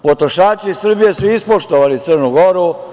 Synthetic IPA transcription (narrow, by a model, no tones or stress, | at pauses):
pot̪ɾoʃaːt͡ʃisr̩bije̞suispoʃt̪oʋalit̪sərnuɡoɾu